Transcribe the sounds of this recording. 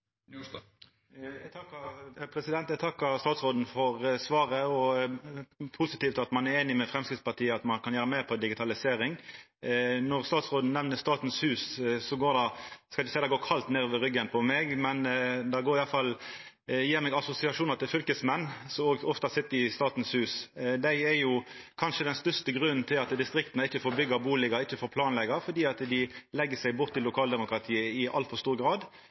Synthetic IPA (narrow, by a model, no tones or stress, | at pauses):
ɛɡt̪ʰɑkːpʰɾɛsɪd̪ɛnt̪ɛɡ̚t̪ʰɑkːɑst̪ɑːt̪sʁoːd̪n̩fɔʁsʋɑːɾəɔ | pʰʊsɪt̪iːft̪ɑt̪mɑnæeːnɪmɛfɾɛmskɪt̪spɑʈ̪ʰiːəɑt̪mɑnkʰɑnjæːɾəmæɪʁpʰɔd̪ɪɡɪt̪ʰɑlɪseːɾɪŋ | nɔʁst̪ɑːt̪sʁoːd̪n̩nɛʋnəst̪ɑːt̪n̩shʉːssɔɡoːɾd̪ɑskɑlɪçəsɛɪd̪ɛɡoːkʰɑlt̪neːɾʋəɾʏɡːənpʰɔmɛɡmɛnd̪ɑɡoːɾɪjɑlfɑl | jiːɾmɛːɡɑsʊsɪɑʂuːnɑʁt̪ʰɪlfʏlkəsmɛnːsɔoɡɔft̪ɑsɪt̪ːəɪst̪ɑːt̪n̩shʉːsd̪æɪɛjʊkʰɑnʂəd̪ɛnst̪œʁst̪əɡɾʉnnt̪ʰɪlɑt̪d̪ɪst̪ɾɪk̚t̪nəɪçːəfoːɾbʏɡəbuːlɪɡəɪçːəfoːɾpʰlɑːnlɛɡɑfɔd̪iːɑt̪d̪ɪlɛɡːəsæɪbʊt̪ʰːɪlːʊkʰɑːld̪ɛmʊkɾɑt̪ʰiːəɪʔɑ̰lfɔɾst̪uːʁɡɾɑːd̪